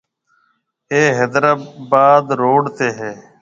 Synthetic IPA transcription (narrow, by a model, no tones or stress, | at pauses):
eːɦeːd̪ɾaːbaːd̪ɾoːɽt̪eːɦɛː